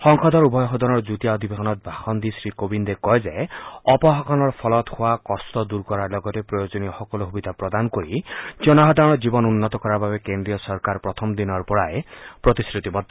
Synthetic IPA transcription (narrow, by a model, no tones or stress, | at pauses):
hɔŋkʰɔd̪ɔɾubʱɔjɔxɔd̪ɔnɔɹd͡ʒut̪ijaɔd̪ʱibʱeɦɔnɔt̪̚bʱaxɔnd̪isɾikobind̪ekɔezeɔpɔɦɔkʰɔnɔɹpʰɔlɔt̪hoakɔst̪ɔd̪uɾkɔɾaɹlɔɡɔtepɾɔjod͡ʒɔniɔxɔkɔluɦubid̪ʱapɾɔd̪anɔkoɾid͡ʒɔnɔɦɔd̪aɔnɔd͡ʒibɔnunːɔt̪ɔkɔɾababekend̪ɾiɔsɔɾkaɾpɾɔt̪ʰɔmd̪inɔɹpɔɹaepɾɔt̪iskɾit̪ibɔd̪ʱ